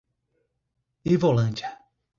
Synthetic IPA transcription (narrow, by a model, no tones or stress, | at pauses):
ivolɐ̃nd͡ʒɐ